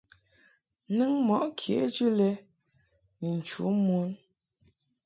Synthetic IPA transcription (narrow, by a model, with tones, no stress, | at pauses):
nɨ˦ŋmɔ˨ʔkʰjḛ˨˦d͡ʒʉ˦lɛ˦ | nə˨n̩˨t͡ʃṵ˨˦mu˨˦n